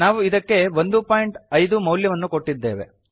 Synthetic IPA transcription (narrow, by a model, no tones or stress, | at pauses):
aːʋuid̪ɐkːe̞ʋo̞nd̪upaːjɳʈɐjd̪umɐwljɐʋɐnːuko̞ʈːid̪ːe̞̰ːʋe̞̰